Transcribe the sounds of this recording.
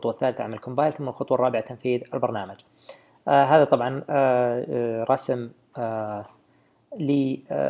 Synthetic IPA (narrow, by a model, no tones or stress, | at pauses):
t̪ˤwaθːaːlɪθaʕmalkʊmbaːjlθʊmːalxʊt̪ˤwɑrˤːɑːbɪʕat̪amfiːðɪlbɑɾˤnaːmad͡ʒ | ɦaːðat̪ˤɑbʕɑn | ɾˤɑsm | liː